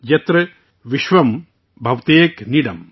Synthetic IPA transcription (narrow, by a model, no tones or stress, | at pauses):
jɐt̪ɾɨ | ʋiʃʋɐm | bʱɐʋt̪eːkniɽɐ̰m